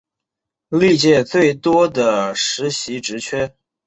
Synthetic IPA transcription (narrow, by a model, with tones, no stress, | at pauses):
li˥˧t͡ɕjɛ˥˧t͡swe˥˩ɪt̪wɔ˥d̪ə˩ʂɻ̩˧˥ɕi˧˥ʈ͡ʂɻ̩˧˥t͡ɕʰɥɛ˥